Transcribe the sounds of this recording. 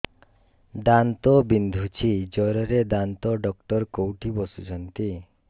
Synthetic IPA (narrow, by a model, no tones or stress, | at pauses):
d̪ant̪obind̪ʱut͡ʃʰid͡ʒɔɾɔɾed̪ant̪oɖɔk̚ʈɔɾkowʈʰibɔsut͡ʃʰɔnt̪i